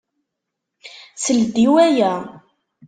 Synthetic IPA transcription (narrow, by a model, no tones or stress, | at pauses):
səld̪iwæjæ